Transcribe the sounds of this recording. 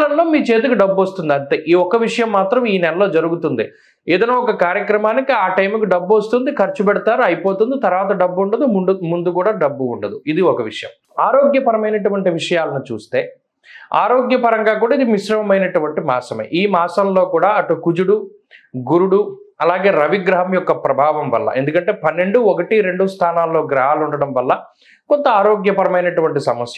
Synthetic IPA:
lɐmlo̞ːmiːt͡ʃe̞ːt̪̬ukuɖɐbːʋɐst̪und̪iɐɳʈeːʔiːɔkɐʋiʂɐjɐmːaːt̪ɾɐmiːnɛlɐlo̞ːd͡ʒɐɾuɡut̪und̪ḭ | eːd̪ɐnɐːɔkɐkaːɾjɐkɾɐmaːnikiaːʈɐjmukiɖɐbːʋɐst̪und̪ikɐɾt͡ʃupɛɽut̪aːɾuɐjipoːt̪und̪it̪ɐɾɐʋaːt̪ɐɖɐbːuɳɖɐd̪umɖmund̪ukuːɽaːɖɐbːuːɳɖɐd̪uid̪iɔkɐʋiʂɐjɐ̰m | aːɾo̞ːɡjɐpɐɾɐmɐjnɐʈuʋɐɳʈiʋiʂɐjaːlɐnut͡ʃṵːst̪e̞ː | a̰ːɾoːɡjɐpɐɾɐŋɡaːk̬uːɽaːid̪imiʃɾɐmɐmɐjnɐʈuʋɐɳʈimaːsɐmḛʔiːmaːsɐmlo̞ːkuːɽaːɐʈːukud͡ʒuɽu | ɡuɾuɽu | ɐlaːɡe̞ːɾɐʋiɡɾɐɦɐmjɔkːɐpɾɐbʱaːʋɐmʋɐ̰lːɐ̰ʔe̞nd̪ukɐɳʈe̞ːpɐnːe̞ɳɖuɔkɐʈiɾe̞ɳɖust̪ʰaːnaːlːo̞ːɡɾɐɦaːluɳɖɐɽɐmʋɐlːɐ | kont̪ɐaːɾoːɡjɐpɐɾɐmɐjnɐʈuʋɐɳʈisɐmɐsjɐ

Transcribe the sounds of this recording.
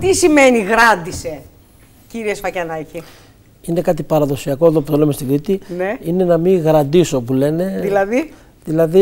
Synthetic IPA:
t̪isime̞niɣɾɐnd̪ise̞ | ciɾiesfɐcɐnɐci | ine̞kɐt̪̬ipɐɾɐðo̞siɐko̞e̞ðo̞p̬ut̪o̞lemest̪iɡɾit̪ineine̞nɐmiɣɾɐnd̪iso̞pule̞ne̞ðilɐði | ðilɐði

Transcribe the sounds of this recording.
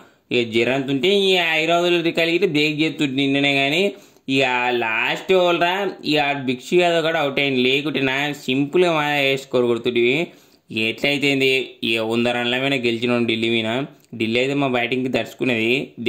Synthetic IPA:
ed͡ʒiɾant̪uɳʈeiɐjɾaːd̪uloɾikɐliɡit̪ed̪eːkd͡ʒet̪ːuʈinːɐneːɡaːni | ialaːsʈeʋɐlɾaːiaːbikʂujaːd̪okaɽaɐwuʈɐjnleːkuʈinasimpulɡɐmaːeːsʈkoɾuɡoɽt̪uiʋi | eːʈlɐjt̪eːnd̪ieːund̪ɐɾɐnlɐmɐnɐɡelit͡ʃinɐnɖilːiːminaɖilːiɐjt̪eːmaːbɐjʈiŋɡkid̪ɐɾsu̥kuneːd̪i

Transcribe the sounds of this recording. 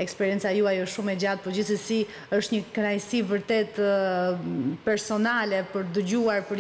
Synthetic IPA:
ɛkspɛɾjɛnt͡sajuajəʃʃumɛd͡ʑad̪̚pɔd͡ʑiθəsi | əʃt̪ɲəkənajsivəɾt̪ɛt̪ | pɛɾsɔnalɛpəɾd̪əd͡ʑuaɾpəɾ

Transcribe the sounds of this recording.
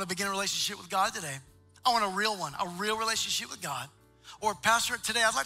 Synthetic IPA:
nəbɨɡɪ̃nəɹileɪʃɨ̃n̩ʃɪpwɨðɡɑd̚tɨɾeɪ | aɪwɑ̃ntəɹilˠwʌ̃nʔə̰ɹilˠɹileɪʃɨnʃɪp̚wɨðɡɑd̥̚ | ə˞ɨpʰæstə˞tʰɨdeɪaɪdlaɪ

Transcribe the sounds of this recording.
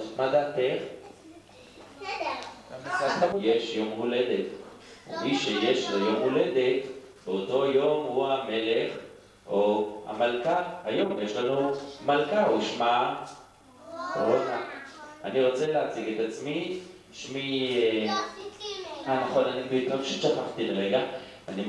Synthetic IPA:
mad̪at̪eχ | misadχajeʃjomhuled̪et̪ṵmiʃejeʃlojomhuled̪et̪ | beot̪o̞jo̞muamele̞χ | oha̰malkaːjomjeʃlanomalkauʃma | ʁonaaniʁot͡selat͡siɡet̪at͡smit̪ | ʃmie | manaχonanibit̪omʃet͡ʃaχaχt̪inʁeɡa | ani

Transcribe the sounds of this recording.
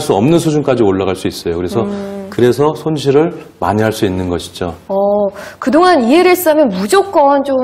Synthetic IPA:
ɭs͈uʌmnɯnsʰud͡ʑunk͈ad͡ʑioɭːaɣaɭs͈uis͈ʌjokɯɾe̞sʰʌkɯɾe̞sʰʌsʰonɕʰiɾɯɭ | ma̰ɲiɦaɭs͈uinːɯnɡʌɕʰi̥d͡ʑoʌkɯdoŋanieɾɯes͈amjʌnmud͡ʑok̚k͈ʌnt͡ɕo

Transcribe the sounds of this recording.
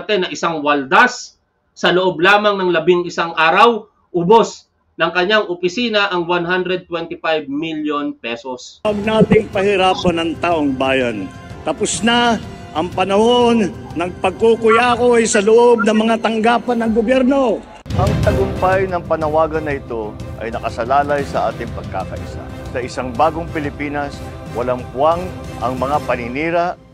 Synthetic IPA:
t̪ɛnɐʔɪsaŋwɐld̪asː | ɐloʔob̚laːmɐŋnɐŋlɐbɪŋʔɪsaŋʔaːɾɐw | ʔʊbo̞s | nɐŋkɐɲaŋʔʊpɪsiːnɐʔɐŋwanɦand̪ɾɛd̪̚t̪wɛnt̪ɪfajb̚miljonpɛsoswɐɡ̚naːt̪ɪŋpɐhɪɾaːpɐnɐŋt̪aːʔoŋbaːjɐn | t̪ɐpʊsnɐ | ʔɐŋpɐnɐhonːɐɡ̚pɐɡ̚kukʊjako̞ɐjsɐloʔob̚nɐŋmɐŋat̪ɐŋɡaːpɐnːɐŋɡobjɛɾno̞ | ʔɐŋt̪ɐɡʊmpajnɐŋpɐnɐwaːɡɐnːɐɪt̪o̞ʔɐ̰jnɐkɐsɐlaːlajsɐʔa̰ːt̪ɪŋpɐɡ̚ka̰ːkɐʔɪ̰sa̰ | sɐʔɪsaŋbaːɡoŋpɪlɪpiːnɐs | wɐlaŋpʊaŋ | ʔɐ̰ŋmɐŋapɐnɪniːɾaʔ

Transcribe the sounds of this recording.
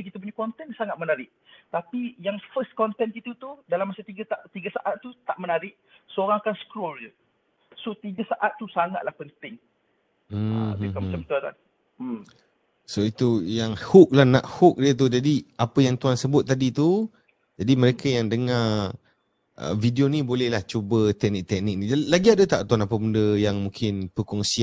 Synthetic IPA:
ik̬it̪ap̬uɲakɔnt̪ɛnsaŋat̪̚mənaɾɪʔ | t̪apijaŋfəst̪̚kɔnt̪ɛnkit̪ut̪udalamːasat̪iɡat̪aʔt̪iɡasaʔat̪ːut̪aʔmənaɾɪʔ | sooɾaŋakansə̥kɾold͡ʒə | sot̪iɡasaʔat̪ːusaŋat̪̚lahpənt̪ɪŋ | mikamat͡ʃamt̪uat̪a̰n | m | soit̪ujaŋhʊk̚lahna̰ʔhʊk̚diət̪̬ud͡ʒadiapəjaŋt̪uansəbʊt̪̚ːadit̪u | d͡ʒadiməɾekajaŋdəŋa | ʔə̰vidionĩbolɛhlaht͡ʃubət̪ɛk̚nɪk̚t̪ɛk̚nɪk̚nid͡ʒalaɡiadət̪aʔt̪uanapəmundəjaŋmũŋkʰɪnpəkɔŋsia

